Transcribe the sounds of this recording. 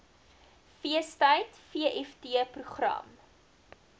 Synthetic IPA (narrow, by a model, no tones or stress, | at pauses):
fiəstəjtfiəʔɛftiəpruχrɐ̰m